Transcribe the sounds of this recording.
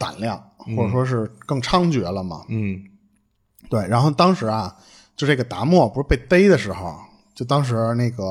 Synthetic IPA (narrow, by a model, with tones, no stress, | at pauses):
t̪a̰˨˩nljɑ˥˩ŋxwɔ˥˩ʈ͡ʂə˨˩ʂwɔ˥ʂ̬ɻ̩˥˧kɤ˥˩ŋʈ͡ʂʰɑ˥ŋt͡ɕɥɛ˧˥lə˧mɐ̰˩˥˩ | t̪we˥˩ɪɻa˧˥nxo˥˩ʊt̪ɑ˥ŋʂɻ̩˧˥ɐ˧ | t͡ɕo˥˧ʂ̩˥˩ɡə˩t̪a˧˥mwɔ˥˩pu˧˥ʂɻ̩˥˩pe˥˩ɪt̪e˥ɪd̪ə˨ʂɻ̩˧˥xo˧˩ʊ | t͡ɕjo˥˩ʊt̪ɑ˥ŋʂ̬ɻ̩˧˥na˥˩ɡə˩